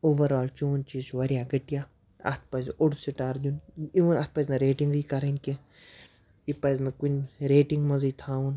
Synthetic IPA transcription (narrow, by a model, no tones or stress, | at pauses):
oːʋɐɾaːlt͡ʃoːnt͡ʃiːsʋɐɾʲjaːɡɐʈijaː | ɐ̰t̪̚ʰpɐzʲoɽusiʈaːɾd̪ʲuniʋɐnɐt̪̚ʰpɐznɐɾeːʈiŋɡikɐɾɐnkʲe | ipɐznɐkunʲɾeːʈiŋɡmɐziːt̪ʰaːun